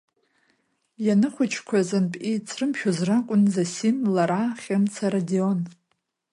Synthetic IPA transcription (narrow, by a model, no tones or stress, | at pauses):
janɨχʷʊt͡ʃʰkʷʰazanpʼit͡sʰrɨmχʲᶣʊzrakʷʼʊnzasimlaɾaχʲamt͡sʰaɾadion